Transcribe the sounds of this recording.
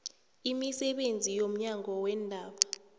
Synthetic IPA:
imisɛɓend͡zʱijom̩ɲaŋɔwɛːndʱaːɓa

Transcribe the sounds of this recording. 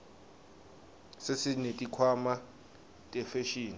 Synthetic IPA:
sesinetʼikʰwama | tʼɛfeʃiːni

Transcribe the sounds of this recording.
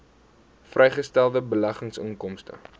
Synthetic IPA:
frʔɛjχəstælˠdəbəlæχəŋsəŋkɔmstə̰

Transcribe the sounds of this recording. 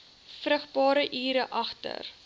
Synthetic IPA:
frəχtbɑːɾəʔiːɾəʔɐχtə̰r

